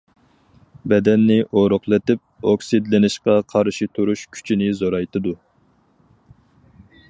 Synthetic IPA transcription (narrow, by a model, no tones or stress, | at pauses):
bɛd̪ɛnːɪʔoɾʊχlˠɨt̪ɪp̚oksɨd̪lɪnɪʃqɑqʰɑɾʃit̪ʰuɾuʃkʲʰy̥t͡ʃʰinɪzoɾɑjt̪ɨd̪u